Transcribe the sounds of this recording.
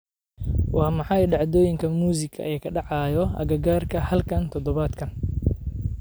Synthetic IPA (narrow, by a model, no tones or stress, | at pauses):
wɑːmɑħɑjɖɑʕd̪ɔːjɪŋkʰɐmuːs̬ɪkʰɐ̰ʔɛjkʰɐɖɑʕɑːjɔɐ̰ɣɐɡaːrkʰɐhɐlkʰɐnt̪ʰɔd̪ɔβaːd̪kʰɐn